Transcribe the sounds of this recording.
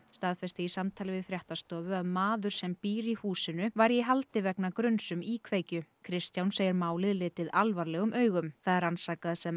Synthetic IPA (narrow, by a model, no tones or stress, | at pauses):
st̪aːðfɛst̪ɪisamt̪ʰaːlɪvɪðfɾjɛht̪ast̪ɔːvʏaðmaːðʏɾ̥sɛmpiːɾihuːsɪnʏvaɾiɦalt̪ɪvɛknakɾʏnsʏmikʰveːjcʏkʰɾɪst̪jawnseːjɪɾmaːwlɪðlɪːt̪ɪðalvaɾlɛːɣʏmʔœːɥɣʏmθaðɛɾansaːkaðsɛm